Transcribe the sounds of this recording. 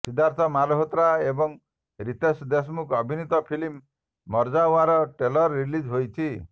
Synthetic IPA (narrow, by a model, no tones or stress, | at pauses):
sid̪ʱaɾt̪ʰɔmalɔɦɔt̪ɾaebɔŋ | ɾit̪esd̪esmukɔbʱinit̪ɔpʰilimː | ɔɾd͡ʒauaɾɔʈelɔɾːilid͡ʒɦojt͡ʃʰi